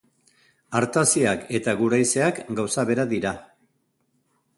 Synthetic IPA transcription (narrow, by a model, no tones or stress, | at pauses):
aɾt̪asiake̞t̪aɣuɾajse̞akɡawsaβe̞ɾaðiɾa